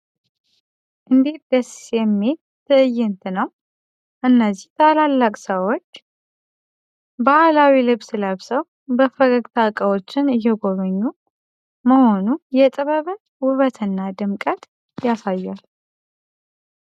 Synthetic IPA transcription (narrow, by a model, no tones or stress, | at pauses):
ʔɨnd̪et̪̚d̪əsjɛmːe | t̪ʰɨʔɨjːɨnt̪ʰɨnəw | ʔɨnːəzːiht̪ʰalalːakʼsəwo̞t͡ʃː | bahlawilɨβsləβsəw | bəfəɡəɡt̪ʰakʼəwot͡ʃːɪnɪjːɛɡo̞βəɲːu | məho̞nujɛt̪ʼɨβəβɨn | wʊβət̪ʰɨnːad̪ɨmkʼət̪ | jasajːal